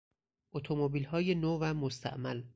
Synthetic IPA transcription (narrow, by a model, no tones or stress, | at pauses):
ʔot̪ʰomobiːlhɒːjenoːvæmost̪ʰæ̰ʔmæl